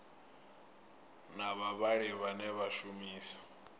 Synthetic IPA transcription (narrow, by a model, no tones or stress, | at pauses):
naβaβaɺiβanɛβaʃumiːsḁ